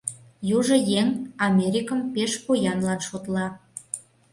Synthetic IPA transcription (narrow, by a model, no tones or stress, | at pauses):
juʒɤ̆jeŋɑmʲeɾʲikə̆mpeʃpojɑnlɑnʃot̪lɑ